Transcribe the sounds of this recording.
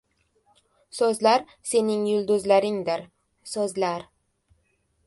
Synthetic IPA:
sɵzlaɾ | se̞nɪŋjʊlˠd̪ʊzlaɾɪŋd̪ɪɾ | sɵzlaɾ

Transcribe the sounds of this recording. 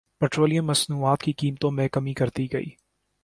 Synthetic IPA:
pɛːʈɾoːlijə̃mːɐsnuːaːt̪kikiːmt̪õmẽkɐmikɐɾt̪iɡɐḭː

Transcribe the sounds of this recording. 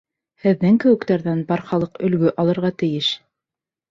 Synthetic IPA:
hɘ̆ðːɘŋkɘ̆wɘ̆kt̪æɾðænbɑɾχɑlˠɤqɵ̆lɡɵʔɑlˠɤ̆ɾʁɑt̪ɘ̆jɘʃ

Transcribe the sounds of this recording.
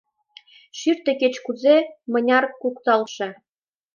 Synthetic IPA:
ʃyrt̪eɘ̆ket͡ɕkuzemɤ̆nʲɑrkukt̪ɑlʃɤ̆

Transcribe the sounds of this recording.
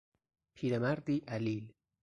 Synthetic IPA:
pʰiːɾamæɾd̪iːʔælil

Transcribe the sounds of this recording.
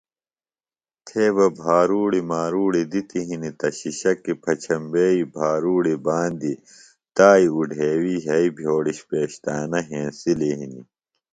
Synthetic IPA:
t̪ʰeːβɐbʱaːɾuːɽimaːɾuːɽid̪it̪iɦinit̪ɐɕiɕɐkːipʰɐt͡ɕʰɐmbeːibʱaːɾuːɽibaːnd̪i | t̪aːiuɖʱeːwiɦɐibʱjoːɽiɕpeːɕt̪aːnɐɦẽːnsiliɦinḭ

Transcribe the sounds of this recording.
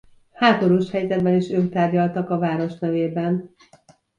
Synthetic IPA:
haːt̪o̞ɾuːʃhɛjzɛd̪bɛniʃøːkt̪aːrɟɒlt̪ɒkɒvaːɾo̞ʃnɛveːbɛn

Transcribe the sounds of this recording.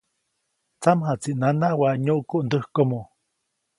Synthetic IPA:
t͡samɦat͡siʔnanahwaɲoʔkuʔnd̪əhkomo

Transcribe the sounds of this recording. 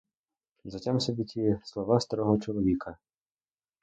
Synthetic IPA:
zatʲamsʲɔbʲitʲislˠɔʋast̪aɾɔɦɔt͡ʃɔlˠɔvʲikʰɐ

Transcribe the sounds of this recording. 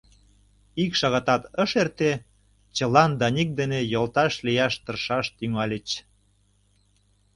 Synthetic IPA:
ikʃɑɣɑt̪ɑt̪əʃert̪e | t͡ɕə̆lɑnd̪ɑnʲik̚d̪enejolt̪ɑʃlijɑʃt̪ə̆rʃɑʃt̪yŋɑlʲət͡ɕ

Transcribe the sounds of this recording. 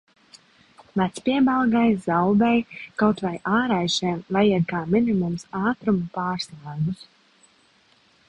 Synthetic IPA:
vat̪spiɛbalˠɡajzawd̪ɛjkawt̪vajʔaːɾajʃiɛmvajiɛd̪̚kaːminimumsaːt̪ɾumupaːɾslˠaːjɡus

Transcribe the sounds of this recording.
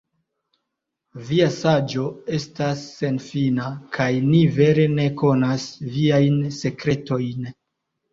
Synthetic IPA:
viasad͡ʒo̞e̞stasːe̞nfinakʰajnive̞ɾe̞ne̞ko̞nasviajnse̞kɾe̞to̞jn

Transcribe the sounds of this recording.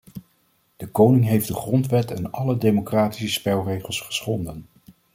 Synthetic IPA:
d̥əkownɪŋɦejfdəχrɔntʋɛtɛnɑlədejmokraːti̥səspɛlˠrejχəlˠsχə̥sχɔndən

